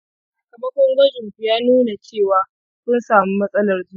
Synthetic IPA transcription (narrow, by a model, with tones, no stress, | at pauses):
saː˨kɐ˨mɐ˦kʷɔ˦ŋɡɐ˦d͡ʒʊ˨ŋkʷu˨jaː˦nuː˦na˨t͡ʃeː˦˨waː˨ | sʊ˦nsaː˨mi˦mɐ˦sʼɐ˦lɐ˨rd͡ʒuː˦˨